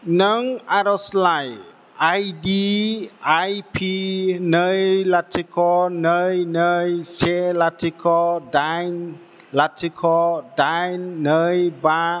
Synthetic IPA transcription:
nəŋaɾɔslaj | ajdi | ajpʰinəjlatʰikʰɔnəjnəjselatʰikʰɔdajn | latʰikʰɔdajnːəjba

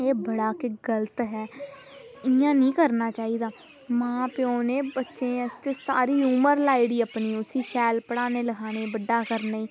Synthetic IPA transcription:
eːbəɽaːkeɡələt̪ɦɛː | ɪ̃ãːnĩːkəɾnaːt͡ʃaːiːd̪aː | mãːpɪõːneːbətːʃẽːəst̪eːsa̰ːɾiːuːməɾlaːiːɽiːəpniːʊsiːʃɛːlpəɽaːneːləɡʰaːneːbəɖːaːkəɾnaːiː

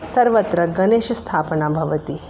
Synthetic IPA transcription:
sɐɾʋɐt̪ɾɐɡɐneːʃst̪ʰaːpənabʱɐʋɐt̪i

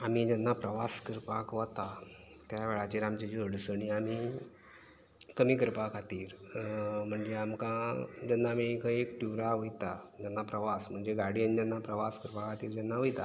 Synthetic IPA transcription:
amid͡ʑanːapɾəʋaskəɾpakʋat̪a | t̪jaʋeɭat͡ɕeɾamt͡ɕed͡ʑəəɽsəɳiami | kəmiːkəɾpakat̪iːɾ | m̤əɳd͡ʑeamkãd͡ʑanːaːmikəiekʈuʋɾaʋojt̪ad͡ʑanːapɾəʋasm̤əɳd͡zeɡaɽijənd͡ʑanːapɾəʋaskəɾpakat̪iːɾd͡ʑanːaʋojt̪a

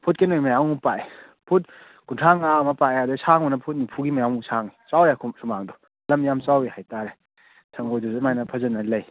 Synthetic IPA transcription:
pʰut̚kenojmɐjawupae | pʰut̚ | ɡuntʰaŋaɐmɐpaeadɯsaŋɔnɐpʰut̚nupʰuɡimɐjaŋusʰaŋit͡ʃawɾekʰusumaŋdɔ | lɐmjamt͡ʃawehajtaɾe | sʰɐŋɡojdɔzumajnɐpʰɐzɐnːɐlɐj

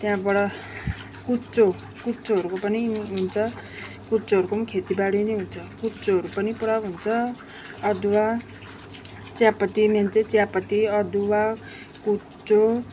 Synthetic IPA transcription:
t̪jãbʌɽʌ | kut͡so | kut͡soɦʌɾukopʌniɦunt͡sʰʌ | kut͡soɦʌɾukomkʰet̪ibaɽinʌɦunt͡sʰʌkut͡soɦʌɾupʌnipuɽawɦunt͡sʰʌː | d̪uwa | t͡sjapʌt̪imant͡set͡sjapʌt̪iʌd̪uwa | ku | t͡so

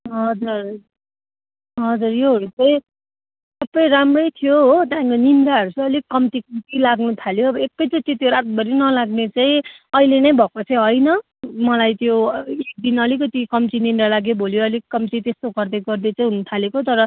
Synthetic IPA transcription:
ɦʌd͡zur | ɦʌd͡zurjoɦʌɾut͡sʌjĩ | ssʌbːʌjɾamrʌjt̪ʰijoɦot̪ʌãkonind̪aɦʌɾut͡sʌʌlikʌmt̪ikt̪ilaɡnut̪ʰaljoːbʌekːʌjt͡sʌĩt͡sĩt̪joɾat̪̚bʌɾinʌlaɡnet͡saĩ | ʌilenʌjbʱʌkot͡sʌĩɦʌjnʌ | mʌlajt̪joek̚d̪inʌlikʌt̪ikʌmt͡sinind̪alaɡjobʱoljoʌlikʌmt͡sit̪est̪oɡʌrd̪eɡʌrd̪ʌt͡saĩɦunut̪ʰalekot̪ʌɾʌ

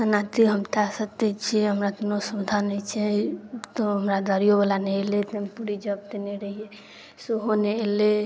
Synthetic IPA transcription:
sənat̪iɦəmt̪asət̪ɛt͡ʃʰeɦəmɾat̪inosəmd̪ʱanət͡ʃʰet̪oɦəmɾad̪aɾijobəlaneelet̪empuɾid͡ʒəb̚t̪eneɾəɦie | suɦoneːle

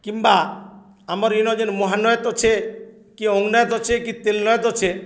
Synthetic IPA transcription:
kimba | amɔɾinɔd͡ʒenmɔɦanɔjɔt̪ɔt͡ʃʰe | kiɔŋɡnɔjɔt̪ɔt͡ʃʰekit̪elnɔjɔt̪ɔt͡ʃʰe

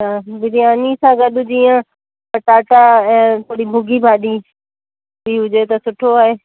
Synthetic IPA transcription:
aːbɪɾiaːnisãɡɐɗʊd͡ʑiːã | pɐʈaːʈaɛ̃ːt̪ʰoːɽibʱʊɡʱibʱaːɗiː | biɦʊd͡ʒet̪ɐsʊʈʰoaːɦeː

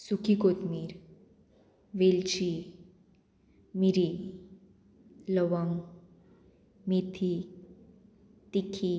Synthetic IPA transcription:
sukʰikot̪miːɾ | ʋelt͡ɕi | miɾi | ləʋəŋɡ | mit̪ʰi | t̪ikʰi

